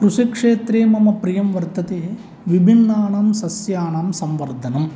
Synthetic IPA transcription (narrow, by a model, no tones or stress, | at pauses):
kɾuʂikʂeːt̪ɾeːmɐmɐpɾijɐmʋɐɾt̪ɐt̪eː | ʋibʱinːaːɳaːmsɐsjaːɳaːmsɐmʋɐɾd̪ʱɐnɐm